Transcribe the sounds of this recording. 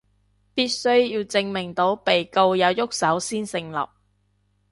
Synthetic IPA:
piː˥t̚sɵ˥ɥjiː˧wt͡sɪ˧ŋmɪ˨˩ŋt̪o˨˥wpe˨jko˧wjɐ˨˧wjʊ˥k̚sɐ˨˥wsiː˥nsɪ˧ŋlɐ̰˨p̚

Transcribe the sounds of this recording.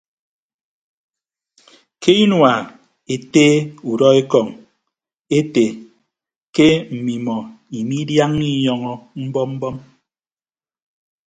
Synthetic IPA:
kʰe˦i˦nwa˨ | e˨teː˦u˨dɔ˦e˦kɔ˨ŋ | e˦te˨ | ke˦m̩˨mi˨mɔ˨ | i˨mi˦dja˦ŋni˦jɔ˨ŋɔ˨m̩˦bɔ˦mm̩˦bɔ˦m

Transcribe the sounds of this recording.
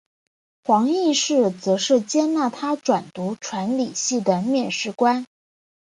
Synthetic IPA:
xwɑ˧˥ŋi˥˧ʂɻ̩˥˩t͡sɤ˧˥ʂɻ̩˥˩t͡ɕjɛ˥na˥˩t̪ʰa˥ʈ͡ʂwa˨˩nt̪u˧˥ʈ͡ʂʰwa˧˥nli˨˩ɕi˥˩d̪ə˩mjɛ˥˧nʂɻ̩˥˩kwa˥n

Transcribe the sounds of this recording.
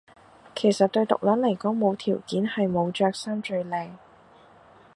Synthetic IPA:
kʰe˨˩jsɐ˨t̚t̪ɵ˧ɥt̪ʊ̰˨k̚lɐ˨˥nlɐ˨˩jkɔː˨˥ŋmo˨˧wt̪ʰiː˨˩wkiː˨˥nhɐ˨jmo˨˧wt͡ʃœː˧k̚sɐ˥nt͡ʃɵ˧ɥlɛː˨˧j

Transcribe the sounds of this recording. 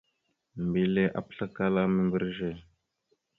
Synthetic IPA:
m˨bi˨le˦ʔa̰˦pɬa˦ka˦la˦mi˦mbə˦ɾʒe˦˨

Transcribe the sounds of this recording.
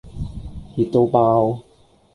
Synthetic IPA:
hi˨˩t̪ːo˧wpaː˧w

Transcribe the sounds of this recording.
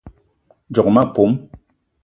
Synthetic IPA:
d͡ʒɔ˨kma˦˨po˨˦m

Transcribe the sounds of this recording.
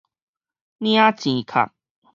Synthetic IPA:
nj̃ã˦t͡ɕĩ˨˦kʰa̰˨˩k̚

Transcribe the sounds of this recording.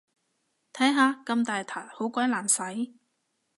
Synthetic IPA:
t̪ʰɐː˨˥ŋɦaː˨˧kɐ˧mt̪aː˨jt̪ʰaː˨˩jho˨˥wkʷɐ˨˥jlaː˨˩nsɐ˨˥j

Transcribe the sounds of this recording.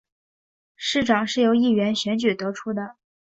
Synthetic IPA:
ʂɻ̩˥˩ʈ͡ʂɑ˨˩ŋʂɻ̩˥˩jo˧˥ʊi˥˩ɥɛ˧˥nɕɥɛ˧˥nt͡ɕy˨˩t̪ɤ˧˥ʈ͡ʂʰu˥d̪ə˨

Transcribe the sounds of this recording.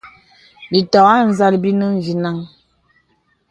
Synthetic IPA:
bi˨tɔ˨a˦˨n̩˦˨za˦lbi˦nə˦n˨vi˨na˦ŋ

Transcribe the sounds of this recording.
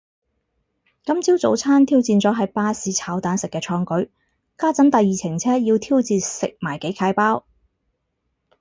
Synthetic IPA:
kɐ˥mt͡siː˥wt͡so˨˥wt͡sʰaː˥nt̪ʰiː˥wt͡siː˨˧nt͡sɔː˨˥ɦɐ˨jpaː˧˥siː˨˥t͡sʰaː˨˥wt̪aː˨˥nsɪ˨kːɛː˧t͡sʰɔː˧ŋkɵ˨˥ɥ | kaː˥t͡sɐ˨˥nt̪ɐ˨jːiː˨˩t͡sʰɪ˨˩ŋt͡sʰɛː˥jiː˧wt̪ʰiː˥wt͡siː˨˧nsɪ˨k̚maː˨˩jke˨˥jkʰaː˨˥jpaː˥w

